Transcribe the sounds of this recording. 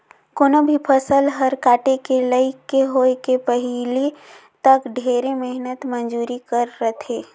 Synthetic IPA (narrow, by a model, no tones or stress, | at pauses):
koːnobʱipʰəsəlɦɐɾkaːʈekelɐikeɦoːekepɐɦli | t̪ɐkɖʱeːɾemɪɦnət̪mə̃nd͡ʒuːɾikəɾːət̪ʰeː